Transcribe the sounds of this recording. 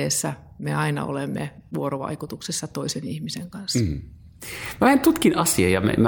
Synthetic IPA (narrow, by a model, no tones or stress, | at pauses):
eːsːæmeɑinɑ̰o̰lemːḛʋuoroʋɑ̰ikut̪uksesːɑt̪oisenihmiseŋkɑns | mæʋent̪ut̪kinʔɑsiɑ̰jɑmæ̰m